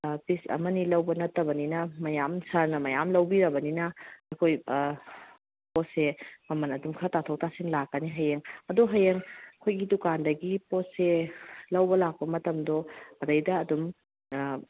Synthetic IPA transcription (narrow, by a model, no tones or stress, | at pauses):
pisɐ̰mɐnilɐwbɐnɐtːɐbɐninɐmɐjamsaɾnɐmɐjamlɐwbiɾɐbɐninɐɐkʰoj | posemɐmɐnɐdumkʰɐtatʰowtʰasiŋlakːɐniɦɐjeŋɐdoɦɐjeŋkʰojɡidukandɐɡipotselɐwbɐlak̚pɐmɐtɐmdɔɐdɐjdɐːdum